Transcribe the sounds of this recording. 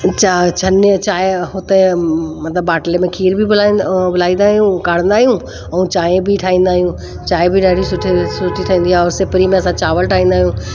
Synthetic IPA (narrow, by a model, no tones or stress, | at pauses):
t͡ɕat͡ʃʰənt͡ɕaːɦeɦʊt̪emɐt̪ləbːaːʈlemẽkʰiːɾbʱibʊlabʊlaːĩnd̪aːɦijũkaːɽ̤ə̃nd̪aːɦijũ | ɛũt͡ɕaːẽbʱiʈʰaːĩːnd̪aːɦijũ | t͡ɕaːebʱiɖaːɽʱisʊʈʰesʊʈʰiʈʰəĩːnd̪iaɔːɾsɪpɾimẽɐsãt͡ɕaːʋəlʈʰaːĩnd̪aːɦjũː